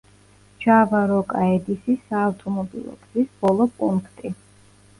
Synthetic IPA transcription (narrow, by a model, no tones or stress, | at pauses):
d͡ʒavaɾɔkʼaɛd̪isisaːwt̪ʼɔmɔbḭlˠɔ̰kʰzisb̥ɔlˠɔpʼuŋkʰt̪ʼi